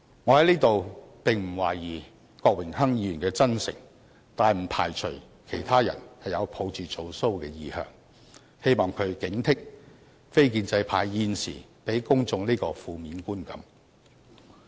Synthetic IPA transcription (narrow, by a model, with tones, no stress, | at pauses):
ŋɔ˨˧hɐ˨˥jliː˥t̪o˨wpɪ˨˩ŋm̩˨˩waː˨˩jjiː˨˩ | kɔː˧k̚wɪ˨˩ŋɦɐ˥ŋjiː˧y˨˩nkɛː˧t͡sɐ˥nsɪ̰˨˩ŋ | t̪aː˨jm̩˨˩pʰa̰ː˨˩jt͡ʃʰɵ˨˩ɥ | kʰe˨˩jt̪ʰaː˥jɐ̰˨˩nhɐ˨jɐ˨˧wpʰo˨˧wt͡syː˨t͡so˨˧wso˥wkɛː˧jiː˨˧hœ̰ː˨ŋ | he˥jmɔː˨˩ŋkʰɵ˨˧ɥkɪ˨˥ŋt̪ʰɪ˥k̚ | fe˥jk̬iː˧nt͡sɐ˧jpʰaː˨˧jːiː˨˧nsḭː˨˩ | pe˨˥jkʊ˥ŋt͡sʊ˧ŋniː˥kɔː˧fuː˨˧miː˨˧nkuː˥nkɐ˨˧˥m